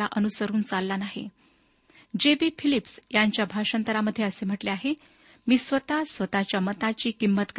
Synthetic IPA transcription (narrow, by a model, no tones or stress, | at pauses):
aʔənusəɾuːnt͡salːanaɦḛ | d͡ʑebiːfʰilipsjaɲt͡ɕjabʱaʂənt̪əɾaməd̪ʱːjeəsem̤əʈleaɦe | miːsʋət̪asʋət̪at͡ɕjamət̪at͡ɕiːkimːət̪k